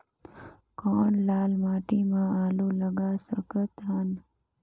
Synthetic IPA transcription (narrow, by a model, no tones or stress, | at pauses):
koːɳlaːlmaːʈimãaːluːləɡaːsəkət̪ɦən